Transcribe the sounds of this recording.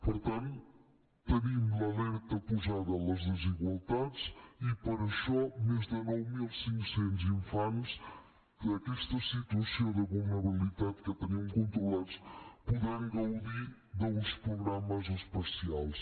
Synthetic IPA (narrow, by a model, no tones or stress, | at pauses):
puɾt̪ãnt̪uu | t̪ɐnimɐlɛɾt̪ɐpuzaðɐlˠɐzðəziɣwalˠt̪aðzipɐɾɐʃɔmezðɨnɔwmilˠsĩŋkusẽnt̪uzĩɱfanʃ | kɨɐkɛʃt̪ɐsit̪wɐsjɐ̃wðɐβulˠnɐβilˠit̪aðkɨt̪ɐɲiɐ̃w̃kõnt̪ɾulˠaðuʃpuðeɛ̃ɡɐwðiɾ | ðɐũʃpɾuɣɾamɐzɨʃpɐsialˠʃ